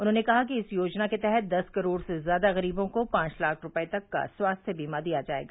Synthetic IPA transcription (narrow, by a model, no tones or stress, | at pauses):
ʊnɦõːnekɐɦakiɪsjoːd͡ʒnaket̪ɛɦɛt̪̚d̪ɐskɐɾoːɽsezjaːd̪aɣɐɾiːbõkopãːt͡ʃlaːkʰɾʊpəet̪ɐkːa̰swaːst̪ʰjəbiːmad̪ijad͡ʒaːḛːɡaː